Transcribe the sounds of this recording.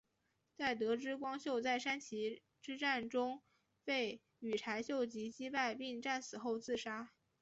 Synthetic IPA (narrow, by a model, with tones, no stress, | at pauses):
t͡sa˥˩ɪt̪̬ɤ˧˥ʈ͡ʂɻ̩˥kwɑ˥ŋɕjo˥˧ʊt͡sa˥˩ɪʂa˥nt͡ɕʰi˧˥ | ʈ͡ʂɻ̩˥ʈ͡ʂa˥˩nʈ͡ʂʊ˥ŋ | pe˥˩ɪ | y˨˩ʈ͡ʂʰa˧˥ɪɕjo˥˩ʊt͡ɕi˧˥t͡ɕi˥pa˥˧ɪpi˥˧ŋʈ͡ʂa˥˩nsɹ̩˨˩xo˥˧ʊt͡sɹ̩˥˩ʂa˥